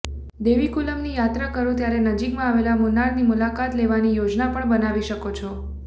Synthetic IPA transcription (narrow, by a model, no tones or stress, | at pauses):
d̪eʋikuləmnijat̪ɾakəɾũt̪jaɾenəd͡ʒikmãaʋelamʊnaɽnimulakat̪leʋanijod͡ʒnapəɳbənaʋiʃəkot͡ʃʰo